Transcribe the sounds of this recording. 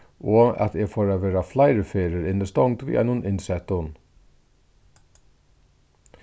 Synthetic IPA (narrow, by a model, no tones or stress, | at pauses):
ɔa̰t̪ɛfoːɾaʋeːɾaflajɾəfeːɾəɾɪnːɪst̪ɔwŋt̪vḭːʔa̰ɪnʊnʔɪnsɛt̪ʊn